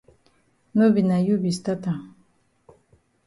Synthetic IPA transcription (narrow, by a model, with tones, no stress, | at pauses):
no˦bi˨na˨ju˦bi˨st̪a˦ta˨